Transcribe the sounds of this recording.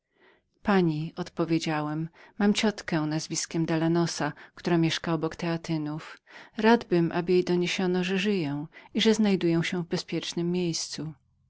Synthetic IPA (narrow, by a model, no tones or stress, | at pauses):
paɲiɔt̪pɔvʲjed͡ʑawɛmːamt͡ɕɔt̪kɛ̃nazvʲiskʲɛmd̪alanɔsakt̪uɾamʲjɛʂkaɔbɔkt̪ɛat̪ɘnufɾad̪bɘmʔabɘjejd̪ɔɲeɕɔnɔʐɛʐɘjɛw̃iʐɛznajd̪ujɛ̃w̃ɕɛ̃vbɛspʲjɛt͡ʂnɘmːjejst̪su